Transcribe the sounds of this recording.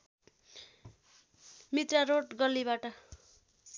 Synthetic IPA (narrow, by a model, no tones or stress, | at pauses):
mit̪raɾoʈɡʌlːiβaʈʌ